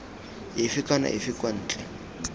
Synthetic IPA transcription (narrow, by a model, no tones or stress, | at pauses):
ɪfɪkʼana̰ʔɪfɪkʼwan̩ːt͡ɬʼɛ